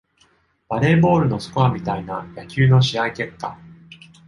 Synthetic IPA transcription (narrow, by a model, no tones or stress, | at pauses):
b̥aɾe̞ːbo̞ːɾɯ̟no̞sɨ̥koamʲit̪ainajakʲɨːno̞ɕiaike̞kːa̰